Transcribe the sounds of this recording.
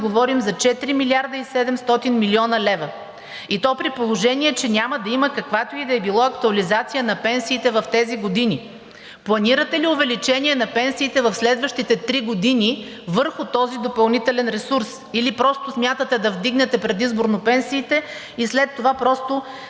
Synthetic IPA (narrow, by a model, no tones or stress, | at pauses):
ɡovɔɾimzɐt͡ʃɛt̪iɾimiliaɾd̪əisɛd̪ɛmst̪ɔt̪inmiliɔnɐlɛvə | it̪ɔpɾipolˠoʒɛniɛt͡ʃɛnʲaməd̪ɐiməkɐkvat̪oid̪ɐɛbilˠɔɐk̚t̪uɐlizat̪sijənɐpɛnsiːt̪ɛvɐft̪ɛziɡod̪ini | plˠɐniɾət̪ɛliʊvɛlit͡ʃɛniɛnɐpɛnsiːt̪ɛvɐfslɛd̪vəʃt̪it̪ɛt̪ɾiɡod̪ini | vɤɾxʊt̪ɔzid̪opɐlˠnit̪ɛlɛnɾɛsuɾs | ilipɾɔst̪ʊsmʲjat̪ət̪ɛd̪ɐvd̪iɡnɛt̪ɛpɾɛd̪izboɾnopɛnsiːt̪ɛ | islɛt̪ːovapɾɔst̪o